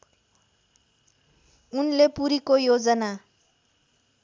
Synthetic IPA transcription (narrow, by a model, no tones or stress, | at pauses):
unlepuɾikojod͡zʌna